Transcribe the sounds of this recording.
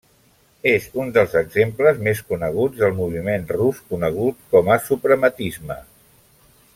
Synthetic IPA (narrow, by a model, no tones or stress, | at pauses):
ezund̪əlˠzəɡzempləzmeskunəɣ̞ud͡zðəlˠmuβ̞imenruskunəɣ̞ut̪̚kɔməsupɾəmət̪izmə̰